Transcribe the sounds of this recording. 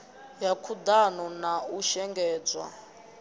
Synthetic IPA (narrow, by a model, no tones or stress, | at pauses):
jakʰud̪anɔnauʃɛŋɡɛːd͡zwa̰